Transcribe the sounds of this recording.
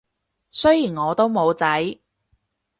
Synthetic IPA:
sɵ˥jiː˨˩nŋɔː˨˧t̪o˥wmo˨˧wt͡sɐ˨˥j

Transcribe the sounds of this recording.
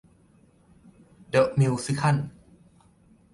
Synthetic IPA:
də˧˩ʔmi˧wsi˦˥kʰa˥˩˨n

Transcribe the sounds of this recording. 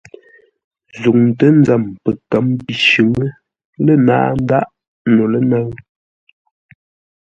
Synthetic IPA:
zu˨ŋtə˦n̩˦d͡za˨mpə˨kə˨˦mpi˨ʃʉ˨ŋə˦ | lə˦na̰ː˦˨˦n̩˦da˦ʔ | no˨lə˦nə˦ŋ

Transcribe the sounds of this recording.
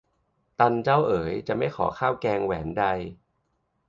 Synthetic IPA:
t̪a˧nt͡ɕa˥˩wʔɤː˩˦jt͡ɕa˨˩ʔma˥˩jkʰɔ̰ː˩˦kʰaː˥˩wkɛː˧ŋwɛː˩˦nda˧j

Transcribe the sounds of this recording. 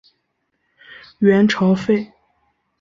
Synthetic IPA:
ɥɛ˧˥nʈ͡ʂʰɑ˧˥ʊfe˥˩ɪ

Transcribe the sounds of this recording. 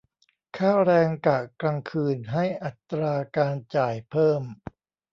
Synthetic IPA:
kʰaː˥˩ɾɛː˧ŋka˨˩kɾa˧ŋkʰɯː˧nɦa˥˩jʔa˨˩t̪ɾaː˧kaː˧nt͡ɕaː˨˩jpʰɤː˥˩m

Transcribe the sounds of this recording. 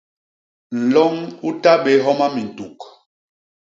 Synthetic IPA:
n̩˨lɔ˦ŋu˦ta˦ɓe˨ɦɔ˦ma˦mi˨n˨tu˨k

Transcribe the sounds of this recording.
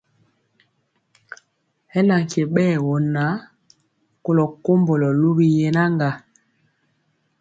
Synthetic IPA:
hɛ˦la˨ŋ˨ke˨ɓɛː˦˨wɔ˨na˨˦ | ko˨lɔ˨ko˦mbo˨lɔ˨lu˦bi˦˨jɛ˨na˦ŋɡa˨

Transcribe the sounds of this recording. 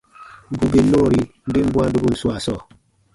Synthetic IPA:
m̩˨bu˨be˨˦no˦˨ɾi˨m̩˨be˦m̩˦bwa˦n˦du˦bu˦˨n̩˨su˦a˨sɔ˦˨

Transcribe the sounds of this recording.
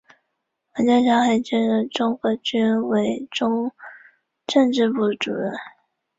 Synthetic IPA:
wə˧˥t͡ɕɑ˥t͡ɕʰjɑ˥ŋxa˥˩ɪt͡ɕɛ˥nɻə˥˩nʈ͡ʂʊ˥ŋxɤ˧˥t͡ɕy˥nwe˧˥ɪʈ͡ʂʊ˥ŋ | ʈ͡ʂɤ˥˧ŋʈ͡ʂɻ̩˥˧pu˥˩ʈ͡ʂṵ˨˩ɻə˥˩n

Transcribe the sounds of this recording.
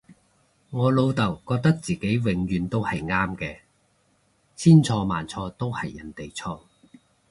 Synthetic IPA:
ŋɔː˨˧lo˨˧wt̪ɐ˨˩wkɔː˧k̚t̪ɐ˥k̚t͡siː˨˩ke˨˥jwɪ˨˧ŋjyː˨˧nt̪o˥whɐ˨jŋaː˥mkɛː˧ | t͡sʰiː˥nt͡sʰɔː˧ma̰ː˨nt͡sʰɔː˧t̪o˥whɐ˨jːɐ̰˨˩nt̪e˨jt͡sʰɔː˧

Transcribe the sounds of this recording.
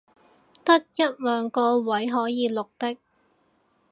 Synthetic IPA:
t̪ɐ˥t̚jɐ˥t̚lœː˨˧ŋkɔː˧wɐ˨˥jɦɔː˨˥jiː˨˧lʊ˨k̚t̪ɪ˥k̚

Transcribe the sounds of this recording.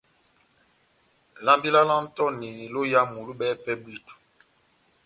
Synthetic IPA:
la˦mbi˦la˦la˦m˦tɔ˦ni˨lo˦ja˦mu˨lu˦ɓɛ˦pɛ˦bli˦tu̥˨

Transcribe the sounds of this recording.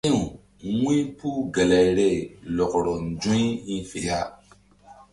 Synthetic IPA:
ĩ˦ũ˨ | ŋʷĩ˦pu˦ɡa˨la˨i˨ɾɛ˦˨lɔ˨kɔ˨ɾɔ˨n̩˨d͡ʒũ˦i˦ĩ˦fe˨ja˦˨

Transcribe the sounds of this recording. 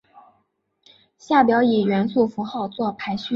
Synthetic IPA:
ɕja˥˩pjɑ˧˥ʊi˨˩ɥɛ˧˥nsu˥˩fu˧˥xɑ˥˧ʊt͡swɔ˥˩pʰa˧˥ɪɕy˥

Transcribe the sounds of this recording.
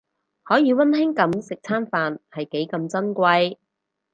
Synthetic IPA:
hɔː˨˥jiː˨˧wɐ˥nhɪ˥ŋkɐ˨˧˥msɪ˨k̚t͡sʰaː˥nfaː˨nhɐ˨jke˨˥jkɐ˧mt͡sɐ˥nkʷɐ˧j

